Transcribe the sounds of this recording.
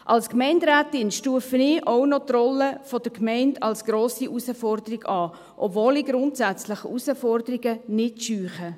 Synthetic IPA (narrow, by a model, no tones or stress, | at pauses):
ʔɑlskmɛɪndɾæːtɪnʃtuəfənɪːʔownɔtrɔləfɔd̥̪əkmɛɪndɑlsɡ̥ɾoːsiʔusəfɔrd̪əɾɪɡɑː | ʔɔ̰bvoːliɡɾʊntsæt͡slɪχusəfɔrd̪əɾɪɡənɪtʃyːχə